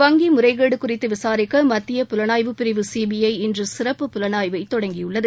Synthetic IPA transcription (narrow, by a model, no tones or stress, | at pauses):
ʋɐŋɡimʊrɐɪɣeːɽɯkʊrɪt̪ːɯʋɪsaːɾɪkːɐmɐt̪ːɪjɐpʊlɐnaːjʋɯpːɪɾɪʋɯsiːbɪjɐɪɪndrɯsɪrɐpːɯpʊlɐnaːjʋɐɪt̪ːɔɽɐŋɡɪjɯɭːɐðɯ